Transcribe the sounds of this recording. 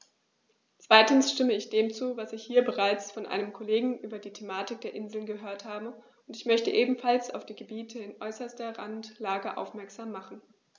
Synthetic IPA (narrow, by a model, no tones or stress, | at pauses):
t͡sv̥aɪtn̩sʃtɪməɪçd̥eːmt͡suːvasɪçhiːɐbəʁaɪt͡sfɔnʔa̰ɪnəmkʰɔleːɡŋ̩ʔyːbɐdiːtʰemaːtɪk̚d̥eːɐʔɪnzl̩nɡəɦøːɐthaːbə | ʊntɪçmœçtəʔeːbm̩falsa̰ʊfd̥iːɡəbiːtʰəɪnʔɔʏsɐstɐʁa̰ntlaːɡəʔa̰ʊfmɛɐkz̥aːmːaχn̩